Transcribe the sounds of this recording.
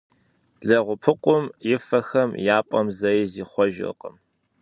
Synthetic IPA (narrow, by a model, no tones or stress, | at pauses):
ɮɐʁʷʊpʰɨqʷʊmjɪfɐxɐmjaːpʷʼɔmzɐjiziːχʷɔʒɪ̰qə̰m